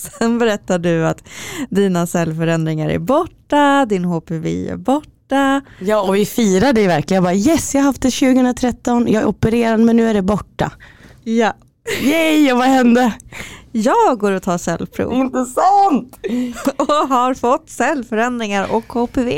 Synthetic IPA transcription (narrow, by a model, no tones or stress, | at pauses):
sɛnbɛɾɛt̪ːaɖɵat̪d̪iːnasɛlːfœɾɛnd̪ɾɪŋaɾæ̰ɾbɔʈːad̪ɪnhoːpeːvḛːæ̰ɾbɔʈːajɑːɔvɪfiːɾad̪ɛjvæɾklɪɡəjbɑːjɛsːjɑhaɦaft̪ɛɕʉ̟ːɡəhɵnɾat̪ʰɾɛt̪ːɔnjɑːɡɔpəɾeːɾanəmɛnːʉ̟ːæɖɛbɔʈːa̰ja | jɛjɔvahɛnd̪ə | jɑːɡɡoːɾɔt̪ʰɑːsɛlːpʰɾṵːvɪnt̪əsant̪ | ɔɦaɾfɔt̪ːsɛlːfœɾɛnd̪ɾɪŋaɾɔkhoːpeːvḛː